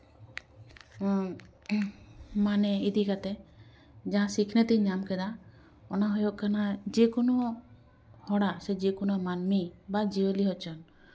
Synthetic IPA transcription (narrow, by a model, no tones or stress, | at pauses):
manɛid̪ikat̪ɛ | d͡ʒaɦãsikʰnet̪iɲamkɛd̪a | ɔnaɦɔjɔʔkanad͡ʒekɔnɔ | hɔɽasɛd͡ʒekɔnɔmanmibad͡ʒiwəliɦɔt͡ʃʰɔn